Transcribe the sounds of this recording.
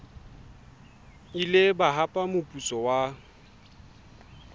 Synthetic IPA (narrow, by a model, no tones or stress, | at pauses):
ilɪbaɦapʼamʊpʼut͡sʼɔwa